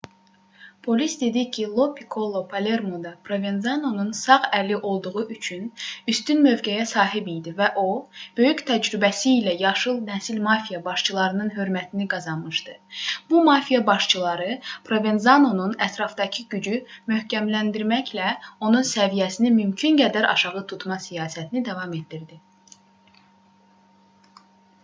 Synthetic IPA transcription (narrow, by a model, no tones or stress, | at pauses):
pʰo̞lisd̪e̞d̪icʰilˠo̞pʰikʰo̞lˠopʰale̞ɾmo̞d̪ɑpʰɾo̞ve̞nzɑno̞nunsɑʁælːiʔo̞lˠd̪uʁuʔyt͡ʃʰynyst̪ynmø̞vɡæjæsɑːɦibijd̪ivæʔo̞b̥ø̞jyct̪ʰæd͡ʒɾybæsiːlæjɑʃɯlˠnæsilmɑfijɑbɑʃt͡ʃʰɯlˠɑɾɯnɯnɦø̞ɾmæt̪ʰiniɡɑzɑnmɯʃd̪ɯb̥umɑfijɑbɑʃt͡ʃʰɯlˠɑɾɯpʰɾo̞ve̞nzɑno̞nunæt̪ʰɾɑfd̪ɑcʰiɟyd͡ʒymøhcʰæmlænd̪iɾmæçlæo̞nunsævijæsinimymcʰynɡæd̪æɾʔɑ̰ʃɑʁɯt̪ʰut̪mɑsijɑːsæt̪ʰinid̪ɑvɑmet̪d̪iɾd̪i